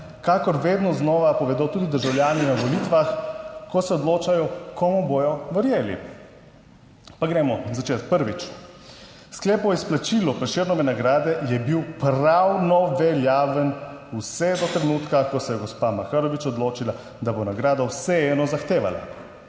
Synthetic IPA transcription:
kakɔɾʋeːd̪nɔznɔːʋapɔʋɛd̪ot̪uːd̪id̪əɾʒawljaːninaʋɔlit̪ʋaxkɔsɛɔd̪loːt͡ʃajɔkɔmubojɔʋəɾjeːlḭ | paɡɾɛmɔzat͡ʃeːt̪k̚pəɾʋit͡ʃ | sklɛːpɔisplat͡ʃiːlɔpɾɛʃeɾnɔʋɛnaɡɾaːd̪ɛjɛbiwpɾawnɔʋɛljaːʋənusɛd̪ɔt̪ɾɛnuːt̪kakɔsɛjɛɡɔspamaxaɾɔʋit͡ʃɔd̪loːt͡ʃila | d̪abonaɡɾaːd̪awsɛɛːnɔzaxt̪eːʋa̰la̰

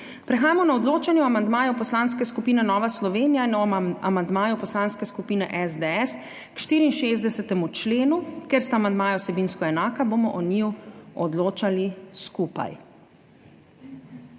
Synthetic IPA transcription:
pɾɛxaːjamɔnaɔd̪loːt͡ʃanjɛɔamand̪maːjupɔslanskɛskupiːnɛnɔːʋaslɔʋeːnijainɔa̰mand̪maːjupɔslaːnskɛskupiːnɛ̰ʔɛzd̪eɛs | kʃt̪iːɾiːnʃeːzd̪ɛsɛt̪ɛmut͡ʃleːnukeɾst̪aːmand̪maːjaɔsɛbiːnskɔɛnaːkabomɔʔɔniwɔd̪loːt͡ʃaliskupa̰j

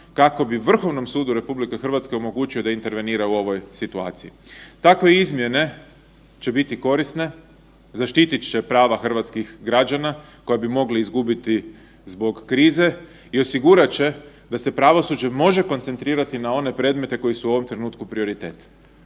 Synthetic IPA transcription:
kako̞biʋr̩xo̞ʋno̞msuːd̪uɾe̞publike̞xr̩ʋat̪ske̞omo̞ɡuːt͡ʃio̞d̪aint̪e̞ɾʋe̞niːɾauo̞ʋo̞jsit̪ua̰ːt̪sijit̪akʋe̞izmje̞ne̞ | t͡ʃe̞bit̪iko̞ɾisne̞ | zaʃt̪it̪it͡ʃe̞pɾaːʋaxr̩ʋat̪skixɡɾad͡ʒana | ko̞jabimo̞ɡliizɡubit̪i | zbo̞ɡːɾiːze̞ | io̞siɡuɾat͡ɕe̞ | d̪ase̞pɾaʋo̞sud͡ʑe̞mo̞ʒe̞ko̞nt̪se̞nt̪ɾiːɾat̪inao̞ne̞pɾe̞ːd̪me̞t̪e̞ko̞jisuuo̞ʋo̞mt̪ɾe̞nuːt̪kupɾio̞ɾit̪e̞ːt̪

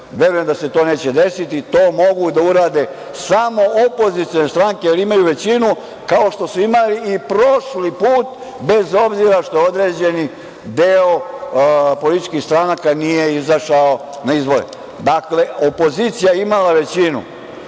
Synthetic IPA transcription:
ʋje̞ɾujemd̪ase̞t̪o̞ːne̞ːt͡ɕed̪e̞sit̪it̪oːmo̞ɡud̪auɾaːd̪e̞ | samo̞opo̞zit̪ijone̞st̪ɾaŋkejaliimajuʋe̞t͡ɕinu | kao̞ʃt̪o̞suimaliːpɾoʃlipuːt̪ | be̞zo̞bziɾaʃt̪o̞jo̞d̪ɾe̞ːd͡ʑe̞ni | d̪eo | po̞lit̪i̥t͡ʃkixst̪ɾanakanije̞izaʃao | naizbo̞ɾḛ | d̪akle̞opo̞ziːt̪sijajeimalaʋe̞t͡ɕinṵ

